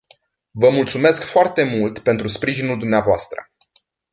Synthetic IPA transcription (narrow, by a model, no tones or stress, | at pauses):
vəmult̪sume̞skfoart̪e̞mult̪pe̞nt̪ɾuspɾiʒinuld̪umneavoast̪ɾə̰